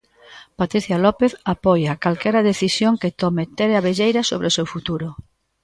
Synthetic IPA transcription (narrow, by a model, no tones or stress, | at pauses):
pat̪ɾiθjalɔpeθapɔjakalkɛɾaðeθisjoŋket̪ɔmet̪ɛɾeaβeʎejɾasoβɾeosewfut̪uɾʊ